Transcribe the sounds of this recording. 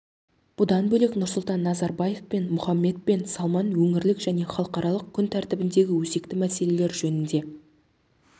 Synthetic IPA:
b̥ʊd̪ɑnbɵleknʊɾsʊlˠt̪ɑnːɑzɑɾbɑje̞fpe̞nmʊχɑmːe̞t̪̚pe̞nsɑlˠmɑnwɵŋɪɾlɪkʒ̥æne̞χɑlˠəqɑɾɑlˠəq̚kʲʰʏnt̪ʰæɾt̪ɪbɪnd̪e̞ɡʲɪwɵse̞kt̪ɪmæse̞le̞le̞ɾʒɵnɪnd̪e̞

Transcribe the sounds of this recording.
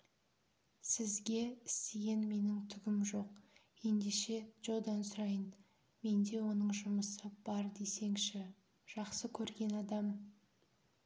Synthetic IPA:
sɪzɡʲe̞ɪst̪eɡʲenme̞nɪŋt̪ʰʏɡʲɪmʒo̞q̚ | je̞nd̪e̞ʃe̞ʒ̥olˠd̪ɑnsʊɾɑjən | me̞nd̪e̞wo̞nəɴʒʊməsəb̥ɑɾd̪ese̞ŋʃɪ | ʒ̥ɑqsəkʲʰɵɾɡʲe̞nɑd̪ɑm

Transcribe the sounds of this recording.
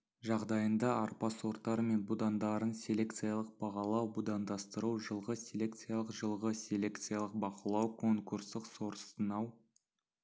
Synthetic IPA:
ʒɑʁd̪ɑjənd̪ɑɑɾpɑso̞ɾt̪ːɑɾəme̞nbud̪ɑnd̪ɑɾənsʲe̞lʲe̞kt̪sɨjalˠəq̚b̥ɑʁɑlˠɑwbud̪ɑnd̪ɑst̪əɾuwʒəlˠʁəsʲe̞lʲe̞kt̪sɨjalˠəqʒəlˠʁəsʲe̞lʲe̞kt̪sijalˠəq̚bɑqəlˠɑwkʰo̞ŋkurst̪əqso̞ɾəst̪ənɑw

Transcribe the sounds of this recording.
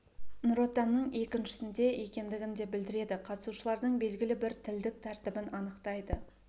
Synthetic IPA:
nuɾo̞t̪ːɑnːəɴe̞kʲɪnʃɪ̥sɪnd̪e̞ʔe̞kʲe̞nd̪ɪɡʲɪnd̪e̞bɪld̪ɪɾe̞d̪ɪqʰɑt̪ə̥suʃəlˠɑɾd̪əɴbe̞lɡʲɪlɪbɪɾt̪ʰɪld̪ɪk̚t̪ʰæɾt̪ɪbɪnɑnəqt̪ɑjd̪ə

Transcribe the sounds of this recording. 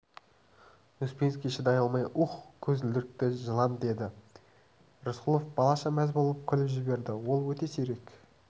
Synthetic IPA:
uspʲenskʲijʃɪd̪ɑjɑlˠmɑjʔuχkʲʰɵzɪld̪ɪɾk̚t̪ɪʒəlˠɑnd̪e̞d̪ɪ | rɪsqulˠofb̥ɑlˠɑʃɑmæzbo̞lˠəp̚kʲʰʏlɪpʒɪbe̞ɾd̪ɪwo̞lˠwɵt̪e̞seɾe̞k

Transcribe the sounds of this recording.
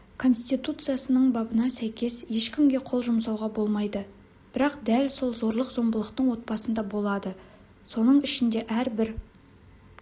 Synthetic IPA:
kʰo̞nst̪ijt̪ut̪sɨjasənəɴbɑbənɑsæjkʲe̞sje̞ʃkʲɪmɡʲe̞qʰo̞lˠʒʊmsɑwʁɑbo̞lˠmɑjd̪ə | b̥ɪɾɑqd̪ælso̞lˠzo̞ɾlˠəqzo̞mbəlˠəqt̪əɴwo̞t̪̚pɑsənd̪ɑbo̞lˠɑd̪ə | so̞nəɴɪʃɪnd̪e̞ʔæɾbɪɾ

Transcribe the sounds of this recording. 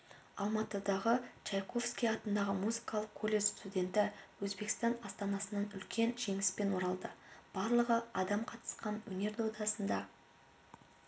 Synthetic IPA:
ɑlˠmɑt̪əd̪ɑʁət͡ʃɑjqʰo̞fskʲijɑt̪ənd̪ɑʁəmuzikɑlˠəqkːʰo̞lʲezst̪udʲe̞nt̪ɪwɵzbe̞kst̪ɑnɑst̪ɑnɑsənɑnʏlkʲe̞nʒe̞ŋɪspe̞nwo̞ɾɑlˠd̪əb̥ɑɾlˠəʁəɑd̪ɑmqʰɑt̪ə̥sqɑnwɵ̰ne̞ɾd̪od̪ɑsənd̪ɑ

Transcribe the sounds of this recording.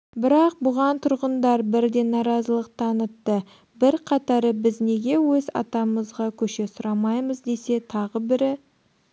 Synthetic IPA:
bɪɾɑq̚bʊʁɑnt̪ʰʊɾʁənd̪ɑɾbɪɾd̪e̞nɑɾɑzəlˠəq̚t̪ʰɑnət̪ːə | bɪɾqʰɑt̪ɑɾəbɪzne̞ɡʲe̞wɵzɑ̰t̪ɑməzʁɑkʲʰɵʃe̞sʊɾɑmɑjməzd̪e̞se̞t̪ʰɑʁəbɪɾɪ

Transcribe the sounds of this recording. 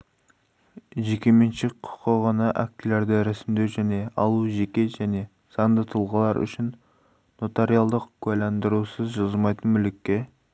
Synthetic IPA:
ʒekʲe̞menʃekqʰʊ̥qːəʁɑnɑʔæk̚t̪ɪleɾd̪ɪɾæsɪmd̪ewʒæne̞ɑlˠuʒekʲe̞ʒæne̞ | sɑnd̪ət̪ʰəlˠʁəlˠɑɾʏ̰ʃɪnː | ot̪aɾijalˠd̪əqkʰujlɑnd̪əɾusəzʒɑzəmɑjt̪ənmʏlɪkʲːe̞

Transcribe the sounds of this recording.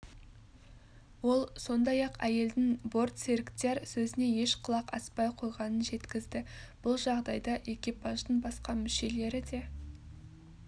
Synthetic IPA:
wo̞lˠso̞nd̪ɑjɑqæje̞ld̪ɪŋbo̞rt̪seɾɪkt̪e̞ɾsɵzɪne̞je̞ʃqʰəlˠɑqɑ̰spɑjqʰo̞jʁɑnənʒe̞t̪kʲɪzd̪ɪb̥ʊlˠʒɑʁd̪ɑjd̪ɑʔe̞kʲijpɑʒd̪əɴbɑsqɑmʏʃe̞le̞ɾɪd̪e̞

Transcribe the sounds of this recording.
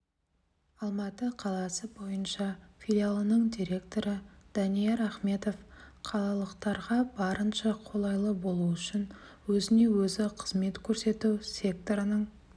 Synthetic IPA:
ɑlˠmɑt̪əqʰɑlˠɑsəbo̞jənʃɑfʲilʲialˠənəɴd̪iɾe̞kt̪o̞ɾəd̪̥ɑnijeɾaχme̞t̪o̞fqʰɑlˠɑlˠəqt̪ɑɾʁɑbɑɾənʃɑqʰo̞lˠɑjlˠəbo̞lˠuʏʃɪn | wɵzɪne̞wɵzɪqʰəzme̞t̪kʲʰɵɾse̞t̪uwsʲe̞k̚t̪o̞ɾənəɴ

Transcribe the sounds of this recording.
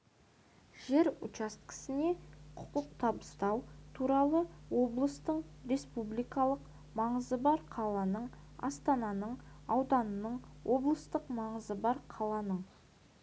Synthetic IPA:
ʒe̞ɾʊ̰t͡ʃɑskʲʰɪ̥sɪne̞qʰʊ̥qəq̚t̪ʰɑbəst̪ɑwt̪ʰuɾɑlˠəwo̞blˠəst̪əɴ | ɾe̞spublijkɑlˠəq | mɑɴəzəbɑɾqʰɑlˠɑnəɴɑ̰st̪ɑnɑnəɴɑwd̪ɑnənəɴwʔo̞blˠəst̪əqmɑɴəzəbɑɾqʰɑlˠɑnəɴ

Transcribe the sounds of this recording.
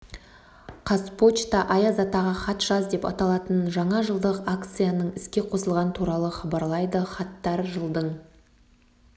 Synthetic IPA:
qʰɑspo̞t͡ʃt̪ɑʔɑjɑzɑt̪ɑʁɑχɑt̪ʒ̥ɑzd̪e̞pɑ̰t̪ɑlˠɑt̪ənʒɑɴɑʒəlˠd̪əqakt̪sɨjanəɴɪskʲe̞qʰo̞səlˠʁɑnət̪ʰuɾɑlˠəχɑbɑɾlˠɑjd̪əχɑt̪ːɑɾʒəlˠd̪əɴ

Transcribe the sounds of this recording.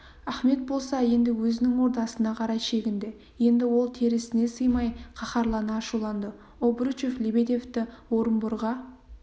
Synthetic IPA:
æχme̞t̪̚bo̞lˠsɑje̞nd̪ɪwɵzɪnɪŋwo̞ɾt̪ɑsənɑqʰɑɾɑjʃe̞ɡʲɪnd̪e̞ | je̞nd̪ɪwo̞lˠt̪ʰeɾɪsɪne̞səjmɑjqʰɑχɑɾlˠɑnɑːʃulˠɑnd̪ə | obɾut͡ʃeflʲibed̪e̞ft̪ɪwo̞ɾəmbʊɾʁɑ

